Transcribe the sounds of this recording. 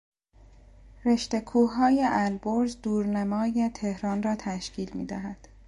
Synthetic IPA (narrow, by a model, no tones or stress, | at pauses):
ɾe̞ʃt̪e̞kʰuːɦɒːjeʔælboɾzd̪uːɾnæmɒːjet̪ʰe̞hɾɒːnrɒːt̪ʰæʃcʰiːlmḭːd̪æɦæd̪̥